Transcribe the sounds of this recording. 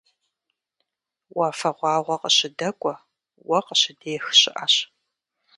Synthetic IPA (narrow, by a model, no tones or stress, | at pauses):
waːfɐʁʷɑːʁʷɔqəɕɪdɐkʷʼɔ | wɐqəɕɪdeːxɕɪʔa̰ɕ